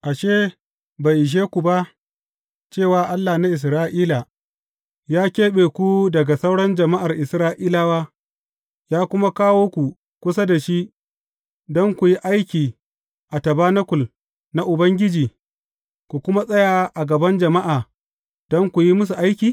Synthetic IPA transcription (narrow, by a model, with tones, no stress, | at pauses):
ʔa˨ʃeː˦ | ba˨jʔɪ˨ʃ̬eː˦kʷu˨ba˦ʔ | t͡ʃeː˦˨waː˨ʔa˦lːa˨na˦ʔɪ˨s̬ɾaː˦ʔiː˦la˨ | jaː˦kʲeː˦ɓeː˨kʷu˦dɐ˨ɡa˨sɐ˦wɽɐ˦nd͡ʒɐ˨ma˦ʔa˨rʔɪ˨sɾaː˦ʔiː˦laː˦waː˦ | jaː˦kʷʊ˦ma˦kaː˦woː˦kʷu˨ | kʷʊ˦sa˦da˨ʃi˦ | dɔ˦ŋkʷu˨ji˦ʔa˦jkʲiː˨ | ʔa˨tɐ˨baː˦nɐ˦kʷʊ˨l | na˦ʔʊ˨bɐ˦ŋɡʲɪ˦d͡ʒiː˨ | kʷu˨kʷʊ˦ma˦sʼɐ˦jaː˨ʔa˨ɡɐ˨bɐ˦nd͡ʒɐ˨ma˦ʔaː˨ | d̥ɔ˦ŋkʷu˨ji˦mʊ˦s̬u˨ʔa˦jkʲiː˨